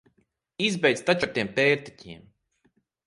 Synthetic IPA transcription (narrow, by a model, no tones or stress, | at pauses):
izbɛjd̪st̪at͡ʃak̚t̪iːɛmpɛːɾt̪i̥cʰʲiɛm